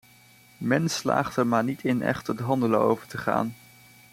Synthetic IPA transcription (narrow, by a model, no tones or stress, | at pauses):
mɛnsla̰ːχtɛɹmaːɹnitʰɪnɛ̰χtətɦɑndələo̰wvəɹtəχa̰ːn